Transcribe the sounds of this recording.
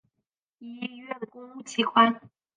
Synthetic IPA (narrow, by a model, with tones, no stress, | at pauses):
i˥i˥˧ɥɛ˥˩d̪ə˩kʊ˥ŋu˥˩t͡ɕʰi˧˥kʰwa˥n